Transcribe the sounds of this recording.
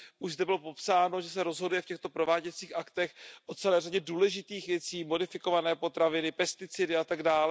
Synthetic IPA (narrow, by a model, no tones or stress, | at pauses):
ʔuʒzdɛbɪlo̞po̞psaːno̞ʒɛs̬ɛɾo̞zɦo̞dujɛfcɛxt̪o̞pɾovaːɟɛt͡siːxʔakt̪ɛxʔot͡sɛlɛːraɟɛduːlɛʒɪt̪iːxvjɛt͡siːmo̞dɪfɪko̞vanɛːpo̞t̪ɾavɪnɪpɛst̪ɪt͡sɪdɪʔat̪aɡdaːlɛ